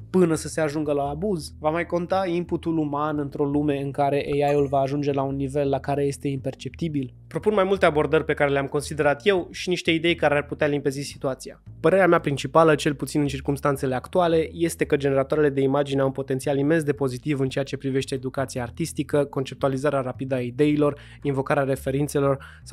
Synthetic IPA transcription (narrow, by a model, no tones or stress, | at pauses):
pɨnəsəse̞aʒuŋɡəlaːbuzvamajko̞nt̪aimput̪ulumanɨnt̪ɾo̞lume̞ɨŋkaɾe̞ʔejajulvaːʒund͡ʒe̞launːive̞lːakaɾe̞je̞st̪e̞impe̞rt͡ʃe̞p̚t̪ibil | pɾo̞punmajmult̪e̞abo̞rd̪ərʲpe̞kaɾe̞leamko̞nsid̪e̞ɾat̪jewʃiniʃt̪e̞id̪e̞jkaɾearput̪ealimpe̞zisi̥t̪uat̪sia̰pəɾe̞ɾeameapɾint͡ʃipalət͡ʃe̞lput̪sinɨnt͡ʃirkumst̪ant̪se̞le̞akt̪uale̞je̞st̪e̞kəd͡ʒe̞ne̞ɾat̪oaɾele̞d̪e̞imad͡ʒineawunpo̞t̪e̞nt̪sialime̞nsd̪e̞po̞zit̪ivɨnt͡ʃe̞jat͡ʃe̞pɾive̞ʃt̪e̞ːd̪ukat̪sijaːrt̪ist̪ikəko̞nt͡ʃe̞p̚t̪ualizaɾeaɾapid̪əaid̪e̞ilo̞r | invo̞kaɾeaɾe̞fe̞ɾint̪se̞lo̞r | s